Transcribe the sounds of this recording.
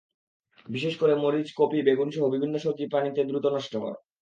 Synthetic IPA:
biʃeʃkoɾemoɾid͡ʑkopibeɡunʃoɦobibʱinːoʃot̪ipɾanit̪ed̪ɾut̪onɔʃʈokɔ̰ɾ̰

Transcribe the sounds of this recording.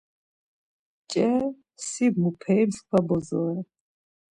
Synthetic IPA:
t͡ʃʼɛ | sibmupʰɛmskʷʰabɔzɔɛ

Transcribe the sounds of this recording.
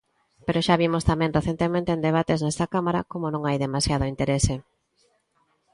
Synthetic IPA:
peɾoʃaβ̞imost̪amɛ̃ŋreθent̪emẽnt̪eːnd̪eβ̞at̪eznɛst̪ɐkamaɾakomonõŋajðemasjað̞ʊint̪eɾese

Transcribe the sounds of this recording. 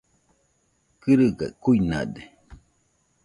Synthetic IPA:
kɨɾɨɡa̰kuina̰d̪e

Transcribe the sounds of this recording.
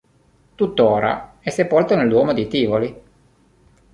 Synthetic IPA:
t̪ut̪ːoːɾa̰ | ɛsːepolt̪onelːwɔːmod̪it̪iːvoli

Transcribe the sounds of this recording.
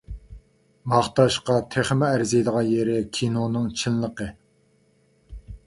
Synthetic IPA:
mɑχt̪ɑʃqɑt̪ʰeχmɛæɾzɪjd̪əʁɑjeɾɪkʲʰinonɨŋt͡ʃʰinlˠəqə

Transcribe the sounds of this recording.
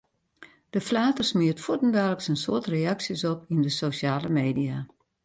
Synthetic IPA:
d̥əflaːtərsmiətfutndɛləksənsʊətreaksjəsɔpindəsoʃjaːləmeːdia

